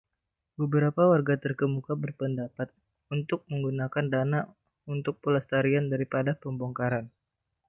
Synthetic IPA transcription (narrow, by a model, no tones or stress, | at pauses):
bəbəɾapawarɡat̪ərkəmukabərpəndapat̪̚ | unt̪ʊk̚məŋɡunakandana | unt̪ʊk̚pulast̪aɾiandaɾipadapəmboŋkaɾan